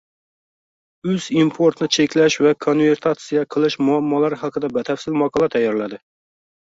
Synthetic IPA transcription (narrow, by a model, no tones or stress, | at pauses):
øz̥impʰoɾt̪nɪt͡ʃʰekʲlɛʃvɛkʰonveɾt̪ʰɑt̪sijɛqʰəlˠɨʃmuɑmːɑlˠæɾɨχɑqʰəd̪ɛbɛt̪ʰɛfsɪlmɑqʰɑlˠɛt̪ʰɛjːɑɾlæd̪ɪ